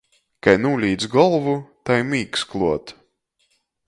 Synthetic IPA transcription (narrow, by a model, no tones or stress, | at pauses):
kajnuːlʲiːd̪zɡɔlˠvut̪ajmʲiːksklˠuɔt̪